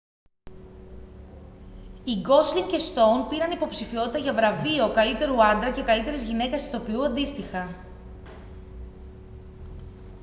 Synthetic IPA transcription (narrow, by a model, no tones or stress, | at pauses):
iɡo̞slicest̪o̞wnpiɾɐnipo̞psifio̞t̪it̪ɐʝɐvɾɐvio̞kɐlit̪e̞ɾuɐnd̪ɾɐce̞kɐlit̪e̞ɾizʝine̞kɐst̪o̞piuɐnd̪ist̪ixɐ